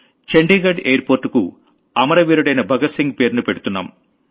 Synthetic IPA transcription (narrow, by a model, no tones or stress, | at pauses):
t͡ʃeɳɖiːɡɐɖejɐɾpoːɾʈːukṵ | ɐmɐɾɐʋiːɾuɽɐjnɐbʱɐɡɐsiŋɡ̚pe̞ːɾnupe̞ɽut̪unːa̰ːm